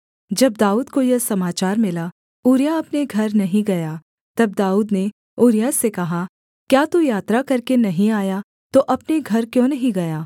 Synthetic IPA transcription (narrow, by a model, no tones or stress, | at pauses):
d͡ʒɐb̚d̪aːuːd̪kojɐsɐmaːt͡ʃaːɾmɪla | uːɾijaɐpneɡʱɐɾnɐɦĩɡɐjaː | t̪ɐb̚d̪aːuːd̪ne | oːɾɪjaːsekɐɦa | kjaːt̪ujaːt̪ɾakɐɾkenɐɦĩaːja | t̪oʔɐpneɡʱɐɾkjõːnɐɦĩɡɐjaː